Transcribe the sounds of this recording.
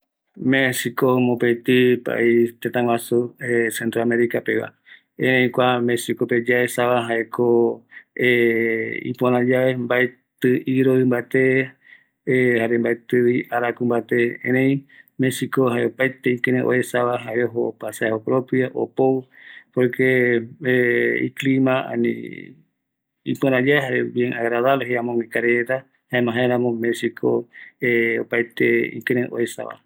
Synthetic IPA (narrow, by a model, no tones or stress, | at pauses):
mẽsikomõpet̪ipa̰ʔit̪ẽt̪ãwasuesent̪ɾoamẽɾikapeβa̰ | ẽɾẽj̃kʷamesikoped͡ʒaesaβaɦaekʰo | e | ḭpoɾ̃ãd͡ʒaembaet̪ɨʔiɾoɨ̃mbat̪e̞ | haɾembaet̪ɨiʔaɾakumbat̪e̞ḛ̃ɾẽĩmesikoɦaeopajt̪eĩkẽɾẽʔo̰esaβaɦaeɾeɦoːpasaaopɾopɾjaʔo̰powpoɾke | ḭklimãa̰nḭ̃ | ipɨ̃ɾãd͡ʒaɦaɾeβjeŋaɣɾaðaβleɦeãmõwĩkaɾeet̪a | haemãɦãeɾãmõmẽsikʰoeopajt̪eḭ̃kẽɾẽʔo̰esa̰βa̰